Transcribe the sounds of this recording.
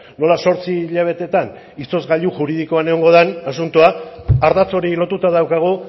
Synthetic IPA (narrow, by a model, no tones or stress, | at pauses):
no̞laso̞ɾt͡siʎaβ̞e̞t̪e̞t̪an | ist̪o̞zɣaʎuʝuɾið̞ikoaneo̞ŋɡo̞ð̞anasunt̪uaaɾðat͡so̞ɾilo̞t̪ut̪aðawkaɣ̞u